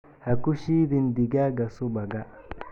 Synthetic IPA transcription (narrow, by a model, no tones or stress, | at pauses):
hakuʃidindiɡaɡasubaɡa